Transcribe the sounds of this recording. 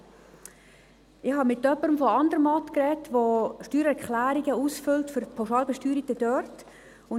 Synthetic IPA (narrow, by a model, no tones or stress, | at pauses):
ɪχhɑmɪtːœpːəɾəmfɔɑndəɾəmɑtkrɛtʋoʃtyːɾɛɾkχlæːɾiɡəuːsfʏltfʏɾpʰaʊʃɑːlbɛʃtyːɾətədœrt | ʊn